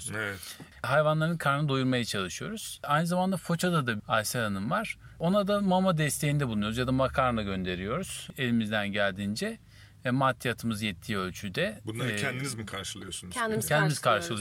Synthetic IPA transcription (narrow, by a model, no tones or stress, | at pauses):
evɛt | ɦajvanlˠaɾɯnkʰaɾnɯd̪ujuɾmajat͡ʃʰalˠɯʃɯjo̞ɾuz̥ajnɯzamand̪afo̞t͡ʃʰad̪ad̪aajsaɾanɯmvaɾ̥o̞nad̪amamad̪ɛst̪ʰejind̪ɛblˠnujuzjad̪amakʰaɾnaɟø̞nd̪e̞ɾijo̞ɾuz̥e̞lʲimizd̪ænɟælʲd̪ind͡ʒɛ | mat̪ʰːiat̪ʰɯmɯzjɛt̪ʰːiːø̞lʲt͡ʃʰyd̪ɛbunlˠaɾcʰɛnd̪inizmikʰaɾʃɯlˠɯjosunnd̪icʰɛnd̪imiz̥kʰaɾʃɯlˠ